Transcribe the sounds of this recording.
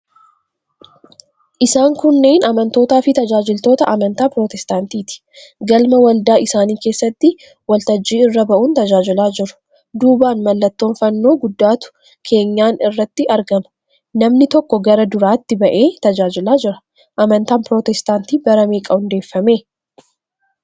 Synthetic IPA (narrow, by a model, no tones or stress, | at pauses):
ʔɪsaːŋkʊnːe̞ːnɐmɐnt̪o̞ːt̪aːfɪt̪ɐd͡ʒaːd͡ʒɪlt̪o̞ːt̪ɐʔɐmɐnt̪aːpɾo̞ːt̪ɛst̪aːnt̪iːt̪ɪ̥ | ɡɐlmɐwɐld̪aːʔɪsaːniːke̞ːsːɐt̪ːɪ | wɐlt̪ɐd͡ʒːiːɪrːɐbɐʔuːnt̪ɐd͡ʒaːd͡ʒɪlaːd͡ʒɪɾʊ̥ | d̪uːbaːnmɐlːɐt̪ːo̞ːnfɐnːo̞ːɡʊd̪ːaːt̪ʊ̥ | kʰe̞ːɲːaːnɪrːɐt̪ːɪɐɾɡɐmɐ̥ | nɐmnɪt̪ɔkːɔɡɐɾɐd̪ʊɾaːt̪ːɪbɐʔe̞ːt̪ɐd͡ʒaːd͡ʒɪlaːd͡ʒɪɾɐ̥ | ʔɐmɐnt̪aːnpɾoːt̪ɛst̪aːnt̪iːbɐɾɐmeːkʼɐʊnd̪e̞ːfːɐme̞ː